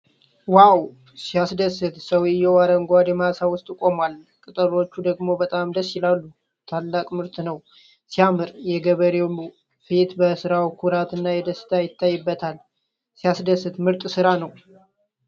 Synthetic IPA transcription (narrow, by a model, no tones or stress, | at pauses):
waw | sijasd̪əsɨt̪səwɪjɛwaɾəŋɡʷad̪ɛmasawʊst̪ʼkʼo̞mal | kʼɨt̪ʼəɾo̞t͡ʃːud̪əɡmo̞bət̪ʼamd̪əsɪlalːu | t̪ʰalːakʼmɨɾt̪ʼnəw | sijamɨɾjɛɡəβəɾew | fet̪bəsɨɾawkʰuɾat̪ɨnːajɛd̪əsɨ̥t̪ʰajɪt̪ːajːɨbːət̪ʰal | sijasd̪əsːɨt̪mɨɾt̪ʼsɨɾanəw